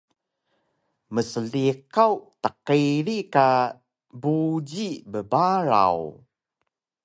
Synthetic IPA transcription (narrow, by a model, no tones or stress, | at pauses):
məsəɮiqawt̪əqiɾika | bud͡ʑibəbaɾa̰w